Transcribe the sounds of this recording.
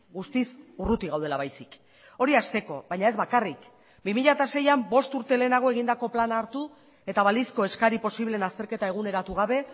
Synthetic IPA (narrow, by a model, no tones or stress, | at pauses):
ɡust̪isurut̪iɣawð̞e̞laβajsik | o̞ɾiast̪e̞ko̞̰βajɲae̞zβakarik | bimiʎat̪ase̞jambo̞st̪uɾt̪e̞le̞ːnaɣ̞o̞e̞ɣ̞ind̪ako̞planaːɾt̪u | e̞t̪aβalisko̞e̞skaɾipo̞siβlenast̪e̞ɾke̞t̪ae̞ɣ̞une̞ɾat̪uɣ̞aβe̞